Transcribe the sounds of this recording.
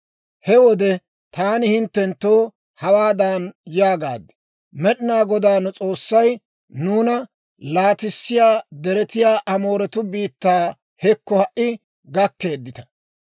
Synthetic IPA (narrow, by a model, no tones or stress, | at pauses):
hɛwɔd̪ɛ | t̪aːnɪhɪnt̪ːɛnt̪ːoː | hɐwaːd̪aːnjaːɡa̰ːd̪ɛ̥ | mɛɗɪnaːɡɔd̪aːnʊt͡sʼo̞ːsːɐj | nuːnɐ | laːt̪ɪsːɪjaːd̪ɛɾɛt̪ɪjaːʔɐmo̞ːɾɛt̪ʊbiːt̪ːaː | hɛkːɔhɐʔɪ | ɡɐkːe̞ːd̪ːɪt̪ɐ̥